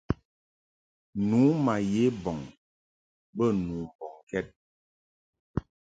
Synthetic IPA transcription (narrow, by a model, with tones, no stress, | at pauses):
nu˨˦ma˨je˨˦bɔ˨ŋ | bə˦˨nuː˨bɔ˨ŋkɛ˦t̚